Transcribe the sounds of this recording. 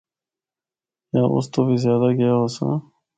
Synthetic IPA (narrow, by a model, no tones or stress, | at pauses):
jaːʔʊ̰st̪obizjaːd̪aɡɐjaɦosã̰